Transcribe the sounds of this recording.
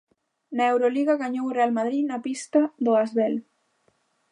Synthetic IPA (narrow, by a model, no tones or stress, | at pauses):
naewɾoliɣaɣaɲowrealmaðɾinapist̪ɐðʊazβɛl